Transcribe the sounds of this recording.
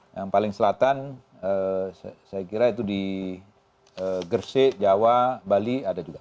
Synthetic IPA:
jaŋpalɪŋsəlat̪an | əsajakiɾait̪udi | əɡərsɪʔd͡ʒawabaliadad͡ʒuɡa

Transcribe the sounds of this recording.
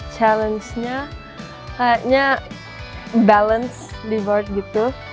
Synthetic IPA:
t͡ʃalənsɲa | kajaʔɲa | balənsdivart̪̚ɡit̪u

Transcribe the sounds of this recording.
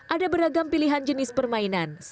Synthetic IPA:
ʔadabəɾaɡampiliɦand͡ʒənɪspərmainans

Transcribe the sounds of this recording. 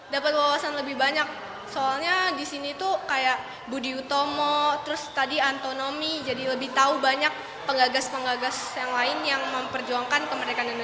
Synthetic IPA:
dapat̪̚lawasanləbɪhbaɲak̚ | soalɲadisinit̪ukajaʔ | budiut̪omɔt̪əɾʊst̪adiant̪onomid͡ʒadiləbɪht̪aubaɲak̚ | pəŋɡaɡaspəŋɡaɡasjaŋlaɪnjaŋməmpərd͡ʒuaŋkankəməɾekanan

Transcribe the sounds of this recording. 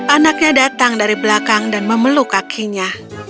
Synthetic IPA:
ʔanak̚ɲadat̪aŋdaɾibəlakaŋdanməməlukakʰiɲa

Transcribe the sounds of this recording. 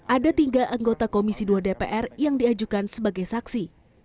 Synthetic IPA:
ʔadat̪iŋɡaʔaŋɡot̪akomisiduadepeʔɛrjaŋdiad͡ʒukansəbaɡajsaksi

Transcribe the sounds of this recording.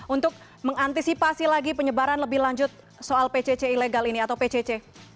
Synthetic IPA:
unt̪ʊk̚ | məŋant̪isipasilaɡipəɲəbaɾanləbɪhlaɲd͡ʒʊt̪̚ | soalpet͡ʃet͡ʃeileɡaliniat̪awpet͡ʃet͡ʃe

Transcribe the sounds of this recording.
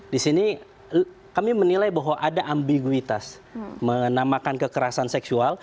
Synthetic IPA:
disini | kamimənilajbaɦwaʔadaʔambiɡuit̪as | mənamakankəkəɾasansɛksual

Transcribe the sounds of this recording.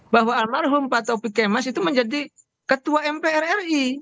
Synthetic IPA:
baɦwaːlmarɦumpat̪awpikɛmasit̪uməɲd͡ʒadi | kət̪uaɛmpɛɛrɛri

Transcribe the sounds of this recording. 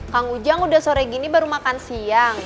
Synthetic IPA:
kaŋud͡ʒaŋudahsoɾɛɡinibəɾumakansiaŋ

